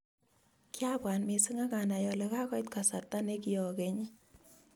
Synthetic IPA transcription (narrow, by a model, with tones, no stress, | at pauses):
kja˦bwa˨nme˨sɯ˦ŋa˦ka˨na˨jɔ˨lɛ˨ka˦kɔ˦jtka˨sa˨ta˦ne˦ki˨jɔ˨ke˨ɲi˦